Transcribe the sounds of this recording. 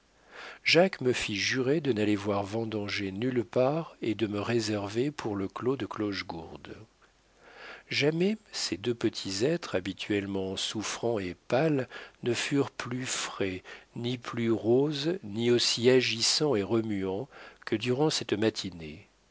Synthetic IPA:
ʒakməfiʒyʁed̪ənalevwaʁvɑ̃d̪ɑ̃ʒenylpaʁed̪əməʁezɛʁvepʰuʁləklod̪əklɔʃɡuʁd̪ | ʒamɛsed̪øpət̪ʰizɛt̪χabit̪ʰɥɛlmɑ̃sufχɑ̃epalnəfyʁplyfχɛniplyʁozniosiaʒisɑ̃eʁəmyɑ̃kʰəd̪yʁɑ̃sɛt̪mat̪ʰine

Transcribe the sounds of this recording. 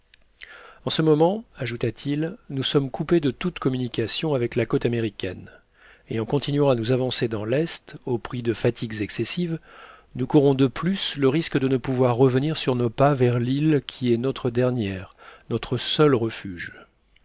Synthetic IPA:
ɑ̃səmɔmɑ̃aʒut̪at̪ʰilnusɔmkuped̪ət̪ut̪kɔmynikʲasjɔ̃avɛklakot̪ameʁikʲɛ̰n | eɑ̃kɔ̃t̪inɥɑ̃anuzavɑ̃sed̪ɑ̃lɛst̪opχid̪əfat̪ʰiɡzɛksesiv | nukuʁɔ̃d̪əplysləʁiskd̪ənəpuvwaʁːəvəniʁsyʁnopavɛʁlilkʲʰiɛnɔt̪χəd̪ɛʁnjɛʁnɔt̪χəsœlʁəfyʒ

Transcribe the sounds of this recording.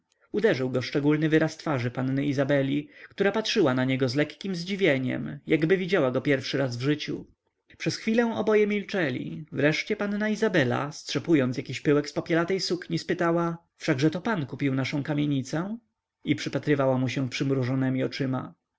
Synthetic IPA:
ud̪ɛʐɘwɡɔʂt͡ʂɛɡulnɘvɘɾast̪faʐɘpanːɛizabɛlʲikt̪uɾapatʂɘwanaɲɛɡɔzlɛkːʲimzd͡ʑivʲjeɲɛ̰mjaɡbɘvʲid͡ʑawaɡɔpʲjɛɾfʂɘɾazvʐɘt͡ɕṵ | pʂɛsxfʲilɛ̃w̃ɔbɔjɛmʲilt͡ʂɛlʲḭvɾɛʂt͡ɕɛpannaizabɛla̰stʂɛpujɔnt̪sjakʲiɕpɘwɛkspɔpʲjɛlat̪ɛjsukɲispɘt̪awa | fʂaɡʐɛt̪ɔpankupʲiwnaʂɔ̃w̃kamʲjeɲit̪sɛ | ipʂɘpat̪ɾɘvawamuɕɛ̃pʂɘmɾuʐɔnɛmʲiɔt͡ʂɘma̰

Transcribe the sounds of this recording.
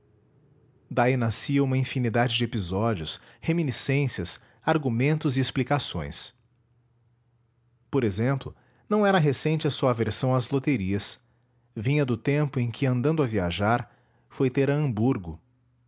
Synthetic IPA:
d̪ainasiɐũmɐĩfinid̪ad͡ʒɪd͡ʒɪepizɔd͡ʒiʊs | heminisẽsiɐs | aɾɡumẽnt̪ʊzɪesplikasõ̰j̃s | poɾezẽmplʊ | nɐ̃w̃ɛɾɐɦesẽnt͡ʃɪɐsuɐveɾsɐ̃w̃ɐzlot̪eɾiɐs | vĩɲɐd̪ʊt̪ẽmpʊẽj̃kʰʲɪɐ̃nd̪ɐ̃nd̪ʊɐviaʒaɾ | fojt̪eɾɐɐ̃mbuɾɡʊ

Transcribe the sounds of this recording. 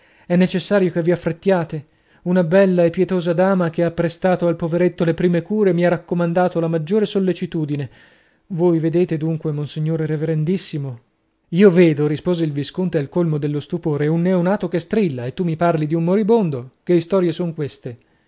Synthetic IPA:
ɛnːet͡ʃesːaːɾjokevːiafːɾet̪ːjaːt̪e | unabɛlːaepːjɛt̪oːzad̪aːmak̟eapːɾest̪aːt̪oalpoveɾet̪ːolepɾiːmekuːɾemiarakːomand̪aːt̪olamad͡ʒːoːɾesolːet͡ʃit̪uːd̪ine | vojved̪eːt̪ed̪uŋkwemonsiɲːoːɾeɾeveɾend̪isːimo | iːoveːd̪oɾispoːzeilviskont̪ealkolmod̪elːost̪upoːɾeunːeonaːt̪okest̪ɾilːaet̪ːumːiparlid̪iummoɾibond̪ok̟eist̪ɔːɾjesoŋkwest̪e

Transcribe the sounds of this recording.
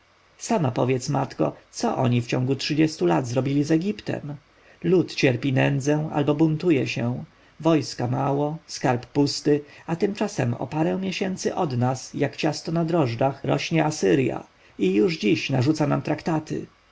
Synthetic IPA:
samapɔvʲjɛt̪smat̪kɔ̰t̪sɔʔɔ̰ɲift͡ɕɔ̃ŋɡutʂɘd͡ʑɛst̪ulad̪zɾɔbʲilʲizɛɡʲipt̪ɛ̰m | lut̪t͡ɕɛɾpʲinɛnd̪zɛa̰lbɔbunt̪ujɛɕɛ̃ | vɔjskamawɔskaɾpːust̪ɘat̪ɘmt͡ʂasɛmɔ̰paɾɛ̃w̃mʲjɛɕɛnt̪sɘʔɔd̪nasjakt͡ɕast̪ɔnad̪ɾɔʐd̪axɾɔ̰ɕɲɛasɘɾja̰ | ijuʐd͡ʑiɕnaʐut̪sanamt̪ɾakt̪at̪ʰɘ̰

